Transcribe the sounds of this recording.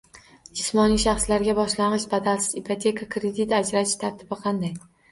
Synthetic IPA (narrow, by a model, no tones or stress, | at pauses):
d͡ʒɪsmɒniʃɑχslaɾɡʲabɒʃlanɨʃbad̪alsɪ̥zipʰat̪ʰe̞kʰakɾed̪it̪ad͡ʒɾaɪ̥t̪ʰaɾt̪ʰɪbɪqʰɑnd̪aj